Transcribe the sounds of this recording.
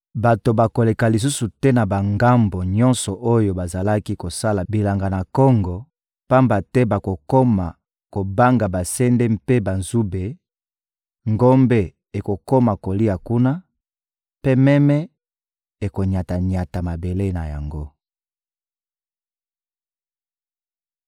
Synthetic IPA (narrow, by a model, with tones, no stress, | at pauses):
ba˨to˨ba˨ko˨le˨ka˨li˨s̬u˦su˨tɛ˦na˨ba˨ŋɡa˦mbo˨ɲɔ̃˦nsɔ˨ʔo˦jo˨ba˨za˨la˦ki˦ko˨sa˦la˨bi˨la˨ŋɡa˨na˨kɔ˦ŋɡɔ˨ | pa˦mba˨tɛ˦ba˨ko˨ko˦ma˨ | ko˨ba˦ŋɡa˨ba˨sɛ˦ndɛ˦mpe˦ba˨nzu˦be˨ | ŋɡo˦mbe˦ | e˨ko˨ko˦ma˨ko˨li˦a˨ku˦na˦ | pe˦mɛ˦mɛ˦ | e˨ko˨ɲa˨ta˨ɲa˨ta˨ma˨be˨le˦na˨ja̰˨ŋɡo˦